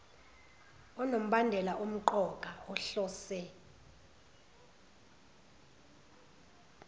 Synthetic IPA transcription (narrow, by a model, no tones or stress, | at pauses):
ɔnom̩ɓandʱɛlaʔum̩ǃɔkʼaɔɬɔːsɛ